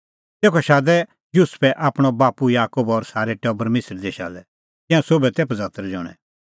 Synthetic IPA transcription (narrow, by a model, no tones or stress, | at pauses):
t̪eːkʰɔʃaːd̪ɛ | juspʰɛʔaːpɽ̃ɔbaːpujaːkobɔɾsaːɾɛʈɛːbɐɾmeːsəɾd̪eːʃa̰ːlɛ | k̪ɪ̃ãsoːbɛt̪eːpʰd͡zaːt̪əɾɛd͡ʒɔ̰ːɽ̃ɛ̰̃